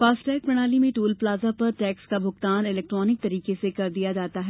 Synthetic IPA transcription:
faːsʈɛːk̚pɾɐɽ̃aːlimẽʈuːlplaːzapɐɾʈɛːkskabʱʊxt̪aːnɪlɛːk̚ʈɾɔːnɪk̚t̪ɐɾiːkesekɐɾd̪ijad͡ʒaːt̪aɦɛː

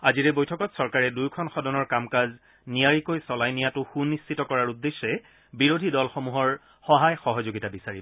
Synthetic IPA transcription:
aziɹɛbojtʰɔkɔtsɔɹkaɹɛdujkʰɔnxɔdɔnɔɹkamkaz | nijaɹikojsɔlajnijatʊxunːistitɔkɔɹaɹudːesːɛ | biɹodʱidɔlxɔmuɦɔɹ | xɔɦajxɔɦɔzoɡitabisaɹi

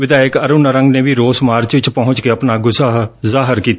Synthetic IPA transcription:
ʋɪd̪aːjɪkəɾʊnəɾəŋɡneːʋiːɾoːsmaːɾt͡ʃʋɪt͡ʃpɔɦʊ̃ɲt͡ʃkeːəpnaːɡʊsaɦzaːɦəɾkiːt̪aː

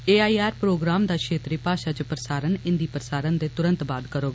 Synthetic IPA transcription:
eːaːiːaːɾpɾoːɡɾaːmd̪aːkʰʃeːt̪ɾeːpaːʃaːt͡ʃəpɾəsaːɾənɪ̃nd̪iːpɾəsaːɾənd̪eːt̪ʊɾə̃nt̪baːd̪kəɾoːɡ

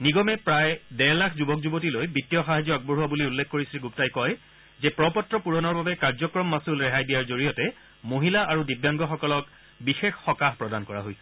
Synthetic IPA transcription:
niɡɔmɛpɹajdɛlakʰzubɔkzubotilojbitːijɔxaɦazjɔak̚boɹuabuliulːekʰkoɹisilɡuptajkɔj | zɛpɹɔpɔtːɹɔpuɹɔnɔɹbabɛkaɹzɔkɹɔmːasulɹɛɦajdijaɹzoɹijɔtɛ | moɦilaʔaɹudibjaŋɡɔxɔkɔlɔk | bixexxɔkaɦpɹɔdankɔɹa̰ɦojs

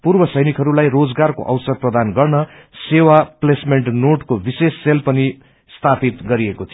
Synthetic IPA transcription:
purbʌsʌjnikʰɦʌɾulajrod͡zɡarko̰ʔʌ̰wsʌd̪̚prʌd̪anɡʌrnʌ | sewaplesmeɳʈnoʈkobisesːelpʌni | st̪ʰapit̪ɡʌɾiekot̪ʰio

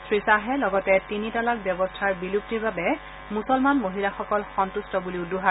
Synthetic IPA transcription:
sʰɹisaɦɛlɔɡɔtɛtinitalak̚bjɔbɔstʰaɹbilup̚tiɹbabɛ | musɔlmanmoɦilaxɔkɔlxɔntustɔbuliʊduɦa

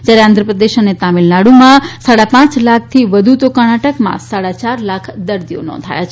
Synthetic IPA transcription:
d͡ʒjaɾeãnd̪ʱɾəpɾəd̪eʃənet̪amilnaɽumãsaɽapãt͡ʃlak̚ʰt̪ʰiʋəd̪ʱut̪okanaʈəkmã̰saɽat͡ʃaɾlakʰd̪əɾd̪ijo̰nɔ̰̃nd̪ʱa̰jat͡ʃʰ

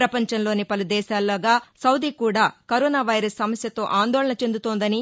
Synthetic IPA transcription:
ɾɐpɐɲt͡ʃɐmlo̞ːnipɐlud̪ɛːʃaːlːɐːɡaːsɐwd̪ikuːɽaːkɐɾɔːnaːʋɐjɾɐsːɐmɐsjɐt̪o̞ːʔaːnd̪ɔːlɐɳɐt͡ʃe̞nd̪ut̪oːnd̪ɐni

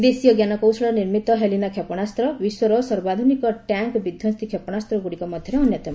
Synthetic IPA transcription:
d̪esijɔɡjanɔkowsɔɭɔniɾmit̪ɔɦelinakʰepɔɽ̃ast̪ɾɔbiswɔɾɔsɔɾbad̪ʱunikɔʈaŋkbid̪ʱjɔst̪ikʰepɔɽ̃ast̪ɾɔɡuɽikɔmɔd̪ʱjɔɾeɔnjɔt̪ɔm

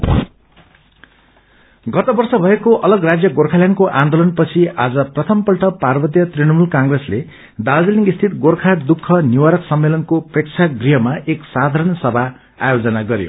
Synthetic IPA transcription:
ɡʌt̪ʌbʌrsʌbʱʌekoʔʌlʌɡrad͡zjʌɡorkʰaljankoʔãnd̪olʌnpʌt͡sʰiad͡zʌprʌt̪ʰʌmpʌlʈʰʌparbʌt̪̬jʌt̪riñʌmulkaŋɡresle | d̪ald͡zeliŋɡist̪ʰit̪ɡorkʰad̪ukʰːʌniwaɾʌksʌmːelʌnkoprekt͡sʰaɡriɦʌmaʔeksad̪ʱaɾʌnsʌbʱa | a̰jod͡zʌnaɡʌɾjo̰

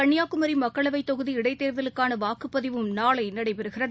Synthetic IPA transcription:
ɐɳːɪjaːkɯmɐɾimɐkːɐɭɐʋɐɪt̪ːɔɣɯðiɪɽɐɪt̪ːeːɾðɐlɯkːaːnɐʋaːkɯpːɐðɪʋɯmnaːɭɐɪnːɐɽɐɪpɛɾɯɣɪrɐð

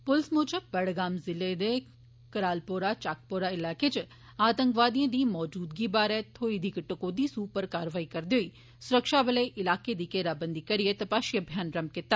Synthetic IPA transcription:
pʊlsmoːt͡ʃəbɐɽɡaːmzɪlːed̪e | kɐɾaːlpoːɾat͡ʃaːk̚poːɾaɪlaːket͡ʃ | aːt̪ɐ̃ŋkʋaːd̪ijẽd̪iːmɔːd͡ʒuːd̪ɡibaːɾɛt̪ʰoːid̪ʱikʈəkoːd̪iːsuːpɐɾkaːɾʋaːikɐɾd̪oːi | sʊɾəkʃaːbɐleʔɪlaːked̪iːkeːɾaːbə̃nd̪ʱikɐɾijet̪ɐpaːʃjɐbʱjaːnɾɐmb̚kɪt̪ːaː

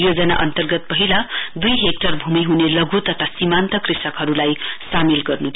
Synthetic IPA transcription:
jod͡zʌna̰ʔʌnt̪ʌrɡʌt̪̚pʌɦilad̪ujɦek̚ʈʌrbʱumiɦunelʌɡut̪ʌt̪ʰasimant̪ʌkrisʌkɦʌɾulajsamilɡʌrnut̪ʰ

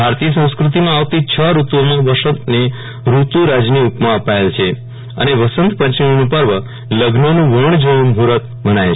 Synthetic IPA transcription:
bʱaɾt̪ijəsə̃w̃skɾut̪imãaʋt̪it͡ʃʰəɾut̪omãʋəʃət̪ne | ɾut̪uɾad͡ʒniupmãəpaelt͡ʃʰe | ə̰neʋəsənt̪pət͡ʃionũpəɾʋə | ləɡʱnonũʋəɳ̃d͡ʒə̃ũmɦuɾət̪ | bənaje

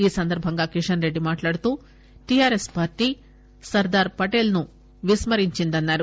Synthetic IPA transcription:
iːsɐnd̪ɐɾbʱɐŋɡaːkiʂɐnɾe̞ɖːimaːʈlaːɽut̪uː | ʈijaːɾespaːɾʈiː | sɐɾd̪aːɾpɐʈeːlnu | ʋismɐɾiɲt͡ʃind̪ɐnːaːɾu

